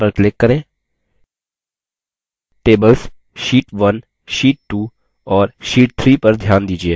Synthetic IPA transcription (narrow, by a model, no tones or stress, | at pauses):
pəɾklɪkːəɾẽː | ʈeːbəls | ʃiːʈʋən | ʃiːʈ̚ːuː | ɔːɾʃiːʈ̚t̪ʰɾiːpəɾd̪ʱjaːnd̪iːd͡ʒieː